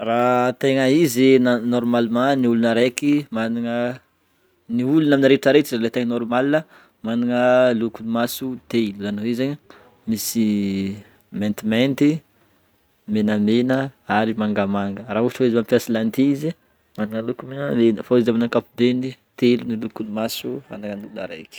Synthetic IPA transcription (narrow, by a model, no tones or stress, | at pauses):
rat̪eŋəizinnɔɾumalimãniulunəɾekimaniŋə | niulunaminiɾeʈ͡ʂaɾeʈ͡ʂizalet̪eŋənɔɾumalinə | maniŋəlukunimasut̪eluzanwezeɲə | misi | mɛ̃nt̪imɛnt̪i | menəmenəaɾimaŋɡəmaŋɡəraɦuʈ͡ʂaizmampijasilant̪izi | maniŋəlukumenəlenfaizaminakapud̪enit̪elunilukunimasua̰naŋəniulunaɾḛki̥